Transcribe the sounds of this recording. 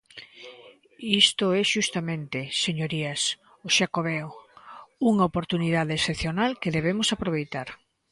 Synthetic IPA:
ist̪oɛʃust̪amẽnt̪eseɲoɾias | oʃakoβɛw | uŋaopoɾt̪uniðaðeesθepθjonalkeðeβemosapɾoβejt̪aɾ

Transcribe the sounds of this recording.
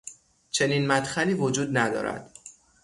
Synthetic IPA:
t͡ʃʰe̞niːnmæt̪xæliːvod͡ʒuːd̪næd̪ɒ̰ːɾæ̰d̪̥

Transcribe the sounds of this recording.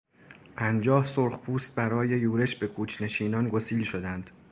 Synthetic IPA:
pʰænd͡ʒɒːhsoɾχpʰuːst̪̚bæɾɒːje̞juːɾe̞ʃbe̞kʰuːt͡ʃʰne̞ʃiːnɒːnɡosiːlʃo̞d̪ænd̪̥

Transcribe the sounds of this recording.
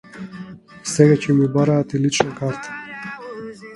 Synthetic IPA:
sɛɡacɛmibaɾaːt̪ilit͡ʃnakaɾt̪ʰḁ

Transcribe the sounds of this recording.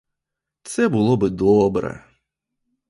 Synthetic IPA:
t̪sɛbɨlˠɔbɨd̪ɔbɾɛ̰

